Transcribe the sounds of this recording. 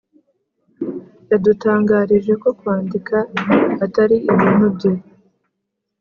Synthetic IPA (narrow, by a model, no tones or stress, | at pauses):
jadutaːŋɡaːɾiʒe̞ko̞kwaːndikaːtaɾiʔiβiːn̥hubɟo